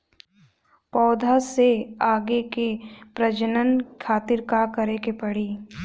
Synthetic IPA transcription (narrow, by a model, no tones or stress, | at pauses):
pɔːd̪ʱaseaːɡekepɾɐd͡ʒənənkʰaːt̪ɪɾkakɐɾekepɐɽ̤iː